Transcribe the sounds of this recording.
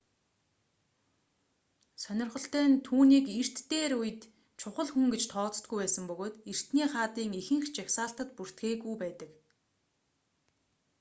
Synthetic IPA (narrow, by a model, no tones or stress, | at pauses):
sœnʲɪ̆rχə̆ɬt̪æːnt̪ʰuːniːkir̥t̪ːeːɾujɘ̆t̪ | t͡ɕʰʊχə̆ɮxuŋɡet͡ɕt̪ʰɔːt͡st̪ɡujpæːsə̆mpɵɣoːt̪er̥t̪niːχaːt̪iːŋixɘ̆ŋxt͡ɕakʲsaːɬt̪ə̆t̪̚pur̥t̪ɡeːɣujpæːt̪ə̆k